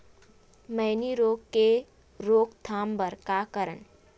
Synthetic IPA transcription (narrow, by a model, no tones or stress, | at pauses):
məɪniɾoːɡke | ɾoːɡt̪ʰaːmbəɾkakəɾən